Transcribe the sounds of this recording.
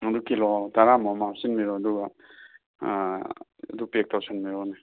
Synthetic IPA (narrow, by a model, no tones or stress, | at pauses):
ɐdukʰilɔtaɾamɔmasinmiɾɔaduɡa | ɐ̰dupek̚tʰawsanmiɾɔne